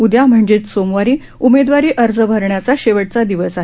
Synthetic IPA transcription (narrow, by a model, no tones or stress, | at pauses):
ud̪jam̤əɳd͡ʑet͡ssomʋaɾiː | umed̪ʋaɾiːʔəɾd͡zəbʱəɾɳjat͡saɕeʋəʈ̚t͡sad̪iʋəsaɦe